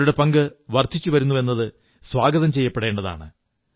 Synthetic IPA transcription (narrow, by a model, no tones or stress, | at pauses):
uɽe̞pɐŋɡɨʋɐrt̪ʰːit͡ɕːuʋɐɾunːue̞nːɐðɨ | swaːɡɐðɐmt͡ɕe̞jːɐpːe̞ɽe̞ːɳɖɐða̰ːɳɨ